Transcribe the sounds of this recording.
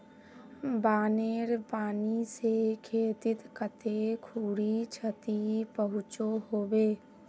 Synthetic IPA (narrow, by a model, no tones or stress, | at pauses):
baːneːɾpaːnisekʰeːt̪ɪt̪kət̪ekʰuːɽit͡ʃʰət̪ipəɦʊt͡ʃoɦoːbeː